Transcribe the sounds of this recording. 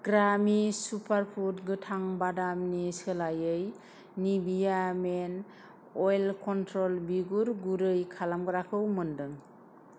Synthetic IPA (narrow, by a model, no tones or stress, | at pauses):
ɡɾamisupʰaɾpʰutɡɯtʰaŋbadamnisɯlajɯj | nibijamen | ɔjlkʰɔntʰɾɔlbiɡuɾɡuɾɯjkʰalamɡɯɾakʰɯwmɯndɯŋ